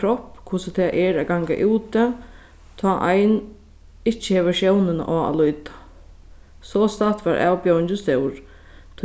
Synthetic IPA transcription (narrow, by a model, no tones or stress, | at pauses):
ɾɔhpːkʰʊsət̪ʰɛːʔɛɾaɡaŋka̰ʔuːt̪ə | t̪ʰɔːʔajn | ɪt͡ʃːɪhɛːʋəʃjɛwnɪna̰ʔɔːa̰lʊjt̪ḁ | sɔst̪at̪ʋaɾʔæ̰ːwpjowɪɲt͡ɕɪst̪ɛwɾ | t̪ʰ